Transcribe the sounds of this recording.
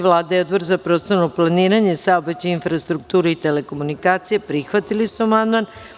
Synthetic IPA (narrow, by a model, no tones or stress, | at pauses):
ʋlˠaːd̪ajeo̞d̪boɾzapɾo̞t̪st̪oɾnoplˠaniːɾaɲesaobet͡ɕainfɾast̪ɾuk̚t̪uːɾuit̪ele̞ko̞munikaːt̪sijepɾixʋat̪ilisuamand̪man